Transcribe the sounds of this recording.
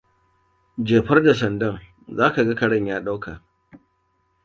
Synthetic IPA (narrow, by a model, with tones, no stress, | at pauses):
d͡ʒeː˨ɸɐ˦rda˨s̬ɐ˨ndɐ˦ŋ | zaː˦ka˨ɡa˦kɐ˨ɽɐ˦ɲjaː˦ɗa˦wkʰa˨ʔ